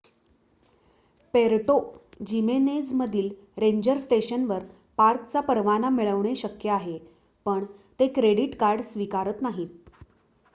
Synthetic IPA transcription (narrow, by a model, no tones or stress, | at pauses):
peɾʈod͡ʑimened͡zməd̪ʱiːl | ɾeɲd͡ʑəɾsʈeɕənʋəɾ | paɾkt͡sapəɾʋanamiɭəʋɳ̃eɕəkjəaɦe | pəɳt̪ekɾeɽiʈkaɾɖsʋikaɾət̪naɦiːt̪̚